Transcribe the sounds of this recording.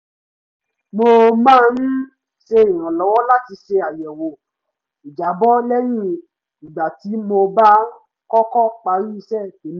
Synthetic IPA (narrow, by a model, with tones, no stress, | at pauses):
mo˧mãː˦˧ñ̩˦ | ʃe˧ĩ˨ɾ̃ã˨lɔ˨˦wɔ˦la˦ti˧ʃe˧a˨jɛ˨wo˨ | i˨d͡ʒa˨˦bɔ˦lɛ˦j̃ĩ˦ | i˨ɡ͡ba˨ti˨˦mo˧ba˦ | kɔ˦kɔ˦˨k͡pa˧ɾi˦i˧ʃɛ˦˨ke˨˦m˦